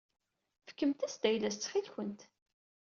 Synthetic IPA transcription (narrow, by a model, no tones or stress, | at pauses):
fə̥kːəmt̪æsd̪æjlæst͡sːχilçənt̪